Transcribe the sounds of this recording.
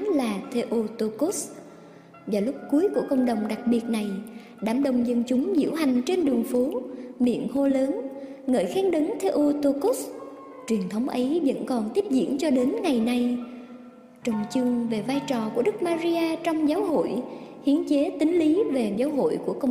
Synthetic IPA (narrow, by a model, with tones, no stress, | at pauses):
laː˨˩t̪ʰe˧ʔo˧t̪o˧ku˦˥s | vaː˨˩lʊ˦˥p̚ku˨˦əjku˧˩əkə̰˧˨wŋ͡mɗə˨˩wŋ͡mɗa˨˩k̚ɓi˨˩ət̚na˨˩j | ɗaː˧˩mɗə˨˩wŋ͡mzə˧nt͡ɕʊ˨˦ŋ͡mzḭ˧˥əwɦa˨˩jŋ̟t͡ɕe˧nɗɨ˨˩əŋfu˨˦ɓḭ˧˨ənho˧ləː˨˦n | ŋə̰ː˧˨jxɛː˨˦˥ŋɗə˨˦ŋt̪ʰe˧ʔo˧t̪o˧ku˦˥s | t͡ɕwi˨˩ənt̪ʰə˨˦wŋ͡mʔə˨˦jvə̰˧˥nkɔ˨˩nt̪i˦˥p̚zḭ˧˨ənt͡ɕɔ˧ɗe˨˦nŋa˨˩jna˧j | t͡ɕɔ˨˧˩wŋ͡mt͡ɕʊ˧ŋve˨˩vaː˧jt͡ɕɔ˨˩ku˧˩əɗɨ˦˥k̚maː˧zi˧aː˧t͡ɕɔ˧wŋ͡mzaː˨˦wɦo̰˧˨jhi˨˦ənt͡ɕe˨˦t̪ï˨˦ŋ̟li˨˦ve˨˩zaː˨˦wɦo̰˧˨jku˧˩əkə˧wŋ͡m